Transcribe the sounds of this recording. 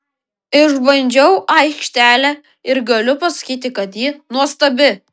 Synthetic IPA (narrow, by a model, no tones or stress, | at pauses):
ɪʒbɐnʲd͡ʒʲɛʊʔɐɪkʃʲt̪ʲæːlʲɛ | ɪɾɡɐlʲʊpɐsɐ̥kʲiːt̪ʲɪkɐt̪jiːnuɔst̪ɐbʲɪ